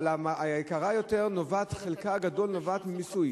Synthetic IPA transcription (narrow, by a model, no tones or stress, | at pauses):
lamaekaʁajo̞teʁnovat̪χelkaɡado̞lnovat̪misuj